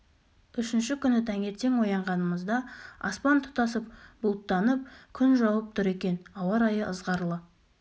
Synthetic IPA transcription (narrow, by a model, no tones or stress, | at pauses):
ʏʃɪnʃɪkʲʰʏnɪt̪ʰæŋe̞t̪e̞ŋwo̞jɑɴʁɑnəməzd̪ɑɑ̰spɑnt̪ʰʊ̥t̪ɑsəp̚bʊlˠt̪ːɑnəp̚kʲʰʏnʒɑwəp̚t̪ʰʊɾe̞kʲe̞nɑwˠɑɾɑjəʔəzʁɑɾlˠə